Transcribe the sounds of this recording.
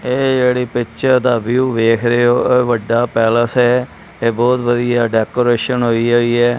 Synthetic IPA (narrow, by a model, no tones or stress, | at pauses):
eːd͡ʒeːɽiːpɪtːʃəd̪aːʋjuːʋeːkʰɾeoːeːʋəɖːaːpɛːləsɦɛː | eːbɔːt̪ʋəd̪ijaːɖɛːkoːɾeːʃənɦoːiːɦoːiːɛː